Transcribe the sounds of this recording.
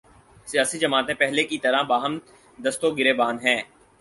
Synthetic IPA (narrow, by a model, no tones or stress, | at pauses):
sijaːsid͡ʒɐmaːt̪ẽpɛɦlekit̪ɐɾãbaːɦəm | d̪ɐst̪oɡɪɾeːbaːnɦɛ̃ː